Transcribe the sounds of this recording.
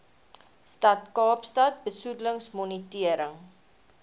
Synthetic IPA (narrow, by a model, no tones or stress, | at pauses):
stɐtkɑːpstɐt̚bəsudləŋsmɔnitiəɾəŋ